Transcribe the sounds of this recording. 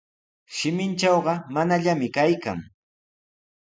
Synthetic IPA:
ʃɪmɪnt͡ʃɑwɢɑmanaʎamɪkajka̰ŋ

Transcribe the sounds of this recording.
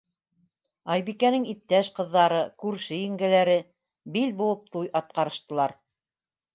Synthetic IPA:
ɑjbikænɘŋip̚t̪æʃqɤ̆ðːɑɾɤkʉɾʃɘjɘ̆ŋɡælæɾɘ | bilbulˠɤp̚t̪ujʔɑt̪̚qɑɾɤ̆ʃt̪ɤ̆lˠɑɾ

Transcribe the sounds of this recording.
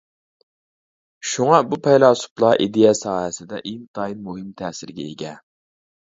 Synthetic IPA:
ʃuŋɑbupʰɛjlˠɑːsu̥plˠɑʔid̪ejɛsɑːɦɛsɪd̪ɛʔent̪ʰɑinmuɦɪmt̪ʰɛːsɪɾɡʲɛ̰eɡʲɛ

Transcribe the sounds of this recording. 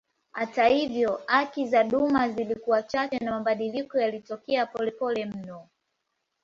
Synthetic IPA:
hatahivjɔhakizaɗumazilikuwat͡ʃat͡ʃɛnamaɓaɗilikɔjalitɔkɛapɔlɛpɔlɛm̩nɔ

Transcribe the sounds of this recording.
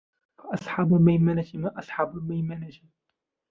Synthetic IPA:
faʔɑsˤħɑbamajmanat̪imaʔɑsˤħɑbamajmanat̪i

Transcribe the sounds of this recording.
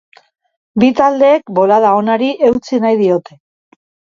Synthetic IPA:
bit̪ald̪e̞ːkbo̞lað̞ao̞naɾiʔe̞wt͡sinajðio̞t̪e̞

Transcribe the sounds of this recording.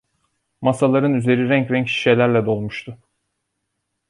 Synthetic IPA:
masalˠaɾɯnyze̞ɾiɾæɲcɾæɲcʃi̥ʃelʲæɾlʲɛd̪o̞lˠmuʃt̪ʰʊ

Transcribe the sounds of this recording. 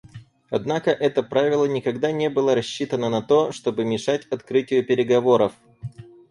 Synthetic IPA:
ɐd̪nakəʔɛt̪əpɾavʲɪlˠənʲɪkɐɡd̪anʲebɨlˠəɾɐɕːit̪ənənɐt̪o̞ʂt̪o̞bɨmʲɪʂatʲɐt̪kɾɨtʲɪjʊpʲɪɾʲɪɡɐvo̞ɾəf

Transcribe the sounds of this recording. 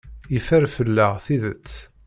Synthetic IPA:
ifæɾfəlːəʁθiðət͡sː

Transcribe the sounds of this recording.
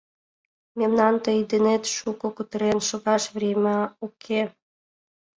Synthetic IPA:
memnɑnt̪əid̪enet̪ʃukokut̪əɾenʃoɣɑʃβremʲɑukʰe

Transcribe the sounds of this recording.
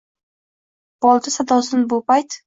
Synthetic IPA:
b̥ɒlˠt̪ʰɪsad̪ɒsɪnbʊpajt̪

